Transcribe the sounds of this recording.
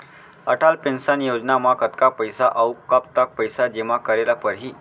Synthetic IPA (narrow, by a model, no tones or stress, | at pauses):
əʈʰalpensanjod͡ʑnamakʰət̪kapəjsaʔəwkːapt̪ak̚pəjsad͡ʑeʋakəɾelapəɾɦiː